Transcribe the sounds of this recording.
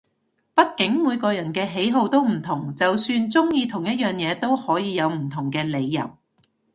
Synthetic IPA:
pɐ˥t̚kɪ˨˥ŋmuː˨˧jkɔː˧jɐ˨˩nkɛː˧ɦe˨˥jɦo˧wt̪o˥wm̩˨˩t̪ʰʊ˨˩ŋt͡sɐ˨wsyː˧nt͡sʊ˥ŋjiː˧t̪ʰʊ˨˩ŋjɐ˥t̚jœː˨ŋjɛː˨˧t̪o˥whɔː˨˥jiː˨˧jɐ˨˧wm̩˨˩t̪ʰʊ˨˩ŋkɛː˧le˨˧jːɐ̰˨˩w

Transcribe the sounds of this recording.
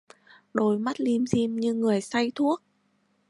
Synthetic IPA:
ɗo˨˩jma˦˥t̚li˧mzi˧mɲɨ˧ŋɨ˨˩əjsa˧jt̪ʰu˦˥ək̚

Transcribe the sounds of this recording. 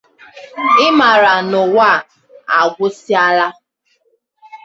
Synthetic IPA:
ɪ˦ma˨ɾa˨nʊ˨wa˦˨ | a̰˨ɡʷʊ˦si˦a˦la˦

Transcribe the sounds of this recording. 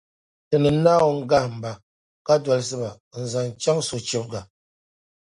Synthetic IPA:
tɨ˨nɨ˨˦na˦wo˦ŋ̩˦ɡa˦hm̩˨ba˨ | ka˦dwa˨ls̬ɨ˦ba˨n̩˨za˨n˨t͡ʃa˦ŋso˨t͡ʃi˦p̚ɡa˨

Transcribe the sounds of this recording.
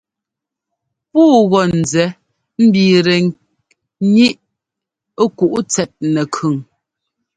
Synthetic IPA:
puː˦ɣɔ˨n̩˨zɛ˨˦ | m̩˦biː˨ɾɛ˨ | ɲi˦ʔ | ku˨ʔu˦t͡sɛ˨t̚nɛ˨kʰʉ˨ŋ

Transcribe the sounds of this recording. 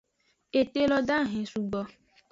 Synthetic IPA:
e˨t̪e˦lɔ˧da˦˨ɦẽ˨su˧ɡ͡bɔ˧

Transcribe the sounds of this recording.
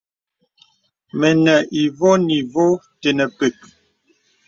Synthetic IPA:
mɛ˨nɛ˨ʔi˨vo˦ni˨vo˦ | te˨nə˨pe˨k̚

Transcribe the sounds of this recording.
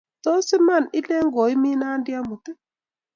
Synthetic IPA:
tɔ˦sɪ˦ma˦˨nɪ˦lɛ˦ŋɡɔ˨i˦mi˦na˦ndja˦mu˨tɛ˦

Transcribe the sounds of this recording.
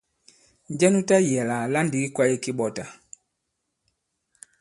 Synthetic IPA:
ɲ˦d͡ʒɛ˦nu˦ta˦jɛ˨la˨la˦ndi˨˦i˦kwa˦ji˦˨ki˦ɓɔ˨ta˨

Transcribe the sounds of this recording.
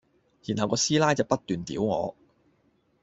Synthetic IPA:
jiː˨˩nhɐ˨wkɔː˧˥siː˥laː˥jt͡sɐ˨wpɐ˥t̚t̪yː˨nt̪ḭː˨˥wŋɔ̰ː˨˧

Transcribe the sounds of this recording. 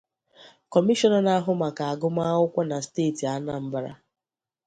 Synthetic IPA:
kɔ˨mi˦ʃɔ˦nɔ˦na˦ɦʊ˦ma˨ka˨a˨ɡʊ˦ma˦ʊ˦kʷa˦na˨steː˦˨ti˨a˦na˦m̩˦ba˦ɾa̰˦

